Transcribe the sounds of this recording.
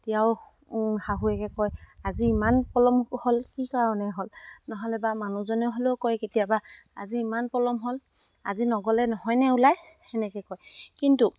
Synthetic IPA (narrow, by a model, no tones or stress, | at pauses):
tijaʊ | haɦuɛkɛkɔjaziːmanpɔlɔmholkikɔaɔnɛɦolnɔɦɔlɛbamanuzɔnɛʊɦoleʊkɔjketijaba | a̰ziːmanpɔlɔmɦol | azinɔɡɔlɛnɔɦɔjnɛulaj | ɛnɛkɛkɔjkintu